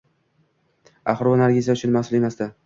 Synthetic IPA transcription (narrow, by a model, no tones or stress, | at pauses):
a̰χɾanaɾɡʲezijaʊt͡ʃʰʊnmahsʊle̞masd̪a